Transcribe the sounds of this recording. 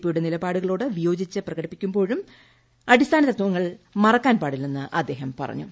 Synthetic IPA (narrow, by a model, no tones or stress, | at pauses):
pːijuɽenilɐbaːɽuɣɐɭo̞ːɽɨʋijo̞ːd͡ʑit͡ɕːɨprɐɣɐɽipːikʲːumbo̞ːɻum | ɐɽist̪ʰaːnɐt̪ːɐt̪ːwuʋɐŋːɐɭmɐrɐkːaːnpaːɽilːenːɨʔɐd̪ːe̞ːɦɐmpɐ̰rɐ̰ɲːṵ